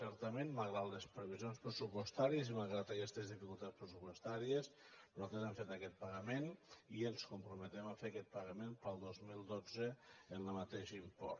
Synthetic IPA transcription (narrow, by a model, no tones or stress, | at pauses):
sɛɾt̪əmenmalˠɣɾat̪lespɾəβizjonspɾəsupwost̪aɾiəzimalˠɣɾat̪akɛst̪ezðifikulˠt̪at̪spɾəsupost̪aɾiəspɾot̪azaɱfet̪akɛt̪̚paɣəmenielˠskumpɾumət̪ɛmafeɾakɛt̪̚paɣəmenpəlˠd̪ozmilˠd̪od͡zəːnləmat̪eʃimpɔ̰ɾ